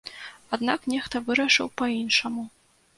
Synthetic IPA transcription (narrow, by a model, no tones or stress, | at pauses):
ad̪nɑknʲext̪ɐvɨɾɐʂɨ̰wpɐinʂɐmu